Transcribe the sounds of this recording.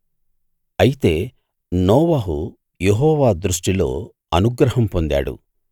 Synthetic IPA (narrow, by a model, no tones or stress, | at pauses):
ɐjit̪e̞ː | nɔːʋaɦu | jeɦɔːʋaːd̪ɾuʂʈilo̞̰ː | ɐnuɡɾɐɦɐmpo̞nd̪a̰ːɽṵ